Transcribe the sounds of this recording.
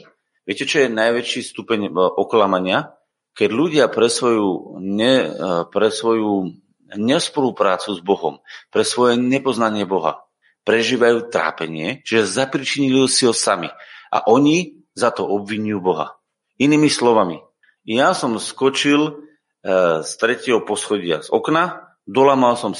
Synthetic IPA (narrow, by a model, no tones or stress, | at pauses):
ʋɪɛcɛt͡ʃɔjɛnajʋɛt͡ʃist̪upɛɲʔɔklamaɲɪa | kɛɟʎuɟɪapɾɛsʋɔjuɲɛpɾɛsʋɔjuː | ɲɛspɔlupɾaːt͡suzbɔɦɔ̰mpɾɛsʋɔjɛɲɛpɔznaɲɪɛbɔɦa̰ | pɾɛʒiːʋajuːt̪ɾa̰ːpɛɲɪɛt͡ʃiʒɛzapɾit͡ʃiɲiliɦɔsiɦɔsamḭʔa̰ʔɔɲi | zat̪ɔʔɔbʋiɲujuːbɔɦa̰ | iniːmislɔʋami | jasɔmskɔt͡ʃil | st̪ɾɛcɪɛɦɔpɔsxɔɟɪa̰zɔ̰kna | d̪ɔlaːmalsɔm